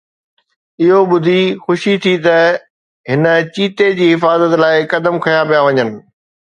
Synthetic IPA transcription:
ɪɦoɓʊd̪ʱixʊʃit̪ʰit̪ɐ | ɦɪnə̆t͡ɕiːt̪ed͡ʑiːɦɪfaːzət̪laːɪkɐd̪əmkʰɐjãpijaʋɐɲənɪ̆

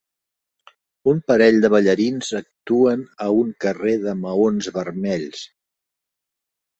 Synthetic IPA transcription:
umpəɾɛʎd̪əβ̞əʎəɾinzək̚t̪uənəuŋkəreðəməonzβərmɛʎs

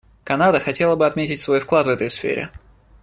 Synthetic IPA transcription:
kɐnad̪əxɐtʲe̞lˠəbɨɐt̪mʲetʲɪtʲsvo̞jfklˠat̪vɛt̪əjsfʲḛɾʲɪ̰

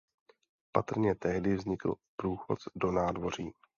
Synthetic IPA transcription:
pat̪r̩ɲɛt̪ɛɦdɪvzɲɪkl̩pɾuːxo̞̰t͡sdo̞naːdvo̞r̝iː

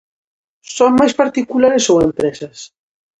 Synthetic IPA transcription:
sɔŋmajspaɾt̪ikulaɾesowempɾɛsɐs

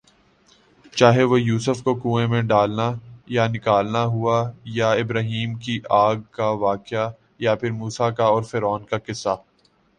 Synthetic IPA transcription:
t͡ʃaːɦeʋojuːsəfkokũːẽmẽɖaːlnajanɪkaːlnaɦuajaɪbɾaːɦiːmkiʔaːɡ̚kaʋaːkɪja | japʰɪɾmuːsakaɔːɾfeɾɔːnkakɪsːa

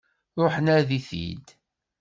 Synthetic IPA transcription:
ɾˤoħənaɾðiθḭd̪

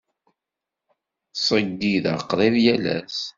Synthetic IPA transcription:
sˤəɡːiðə̰qːɾˤeðjælæ̰s

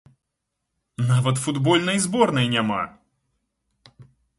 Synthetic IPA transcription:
navɐt̪fud̪bɔlʲnɐjzbɔrnɐjnʲama̰

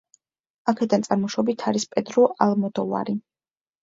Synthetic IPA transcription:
akʰɛd̪ant̪sʼaɾmɔʃɔbit̪ʰaɾispʼɛd̪ɾɔʔalmɔd̪ɔva̰ɾi

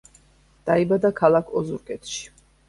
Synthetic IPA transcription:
d̪̥aibad̪akʰalˠakʰɔzuɾkʼɛt̪ʃi̥

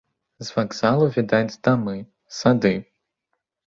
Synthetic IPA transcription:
zvaɡz̥alˠuvʲid̪ad̪amɨ | sad̪ɨ

